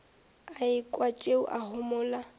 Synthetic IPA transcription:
aɪkʼwat͡ʃʼeʊ̰ʔahʊmʊːla

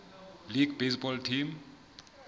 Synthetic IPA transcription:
liɡbesbɔlʈʰim

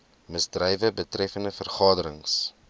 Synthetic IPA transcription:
məzdrɛjvəbətrɛfəndəfərχɑːdəɾəŋs

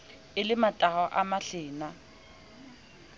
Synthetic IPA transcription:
ɪlɪmatʼaɔʔamaɬɪːna

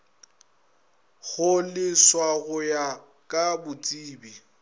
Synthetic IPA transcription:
ɣʊlɪswaɣʊja | kʼabʊt͡sʼiːbi

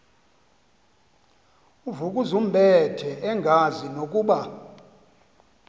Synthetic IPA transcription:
uvukʼuzum̩bʱɛtʰɛʔɛŋɡʱazinokʼuːɓa

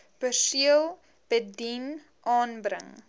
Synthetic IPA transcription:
pəsiəlˠ | b̥ədin | ʔɑːnbrə̰ŋ

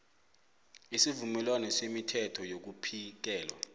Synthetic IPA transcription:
isivumɛlwanɛsemitʰɛtʰɔjok̬upʰik̬ɛːlwa̰

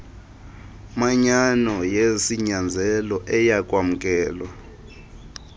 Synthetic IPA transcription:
maɲanɔjesiɲand͡zʱɛlɔʔɛjakʼwamukʼɛːlwa

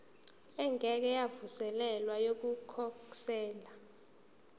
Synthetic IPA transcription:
ɛŋʱɛk̬ɛjavusɛlɛlwajok̬ukʰɔksɛːla

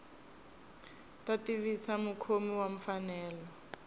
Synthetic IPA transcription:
tʼatiβisamukʰomiwaɱ̩fanɛːlɔ

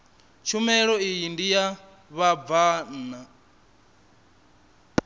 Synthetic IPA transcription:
t͡ʃʰumɛɺɔijindija | βavana

